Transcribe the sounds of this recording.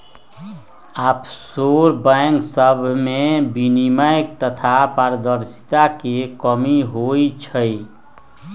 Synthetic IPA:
apsoɾbəŋksəbʱmebiniməjk̚t̪ət̪ʰapaɾəd̪əɾsi̥t̪akekəmiɦoit͡ʃʰəj

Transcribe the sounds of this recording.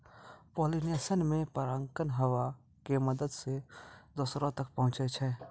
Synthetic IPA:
poːlinesənmẽpəɾəŋkənɦəʋa | keməd̪əd̪sed̪osɾõt̪ək̚pəɦʊ̃t͡ʃet͡ʃʰɛː

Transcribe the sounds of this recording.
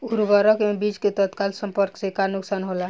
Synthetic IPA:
uɾbəɾəkmebid͡ʒket̪ət̪kalsəmpəɾksekanuksanɦola

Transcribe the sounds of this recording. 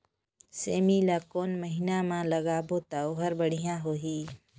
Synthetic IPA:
seːmilakoːnməɦinamãləɡaːbot̪aoɦəɾbəɽ̤ijãɦoːɦiː

